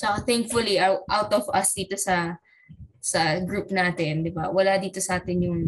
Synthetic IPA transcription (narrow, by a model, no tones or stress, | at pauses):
t͡ʃɐkat̪ɛŋk̚fʊliʔɐʔawt̪ɔvɐsd̪iːt̪o̞sɐ | sɐɡɾuːpnaːt̪ɪnd̪ɪba̰wɐlad̪iːt̪o̞sɐʔaːt̪ɪnjʊŋ